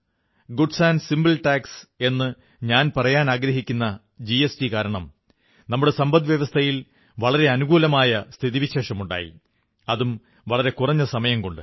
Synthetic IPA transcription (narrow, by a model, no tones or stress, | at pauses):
ɡuɖsaːnsimbɐlʈaːkse̞nːɨ | ɲaːnpɐrɐjaːnaːɡɾɐɦikʲːunːɐ | d͡ʑiesʈikaːɾɐɳɐm | nɐmːuɽe̞sɐmbɐnd̪ʋjɐʋɐst̪ʰɐjil | ʋɐɭɐɾe̞ɐnuɡuːlɐmaːjɐst̪ʰiðiʋiɕe̞ːʂɐmuɳɖa̰ːjḭ | ɐðum | ʋɐɭɐɾe̞kurɐɲːɐsɐmɐjɐmko̞ɳɖɨ̰